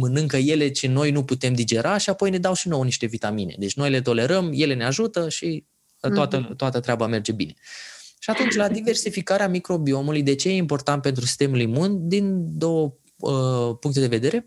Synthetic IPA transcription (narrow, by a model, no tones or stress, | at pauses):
mɨnɨŋkəje̞le̞t͡ʃeno̞jnuput̪e̞md̪id͡ʒe̞ɾʔaʃiapo̞jne̞d̪awʃino̞wniʃt̪e̞vit̪amine̞̰d̪e̞t͡ʃʲno̞jle̞t̪̬o̞le̞ɾəmje̞le̞ne̞aʒut̪əʃi | t̪oat̪ət̪oat̪ət̪ɾeabame̞rd͡ʒe̞bine̞ʃiat̪unt͡ʃʲlad̪ive̞rsifikaɾeamikɾo̞bio̞mulujd̪e̞t͡ʃe̞je̞impo̞rt̪ant̪̚pe̞nt̪ɾusi̥st̪e̞mulimund̪ind̪o̞wə | əpuŋk̚t̪ed̪e̞ve̞d̪e̞ɾe̞